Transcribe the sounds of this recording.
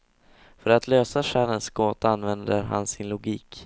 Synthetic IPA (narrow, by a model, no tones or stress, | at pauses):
fœɾat̪ʰløːsaʂæɾənsɡoːt̪aanvɛnd̪əɾɦa̰nsɪnlʊɡiːk